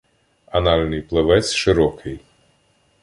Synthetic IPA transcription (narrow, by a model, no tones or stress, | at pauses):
ɐnɑlʲnɪjplˠeʋɛt͡s̪ʲʃɪɾɔkʰɪj